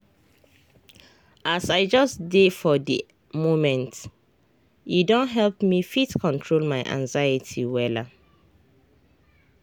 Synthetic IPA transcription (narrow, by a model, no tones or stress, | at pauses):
ʔasaɪd͡ʒɔsdefɔdi | momɛ̃nt | idɔ̃nɦɛlpmifitkʰɔ̃ntʰɹolmaɪʔã̰ŋzajitʰiwɛla